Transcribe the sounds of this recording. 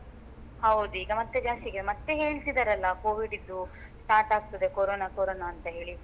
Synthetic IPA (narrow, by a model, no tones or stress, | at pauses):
hɐwd̪uiːɡɐmɐt̪ːed͡ʒaːst̪iɡemɐt̪ːe̞ɦe̞ːɭsid̪ɐɾɐlːɐkoːʋiɖid̪ːusʈaːɾʈaːɡ̚t̪ɐd̪e̞koɾoːnakoɾoːnaːnt̪ɐɦe̞ːɭi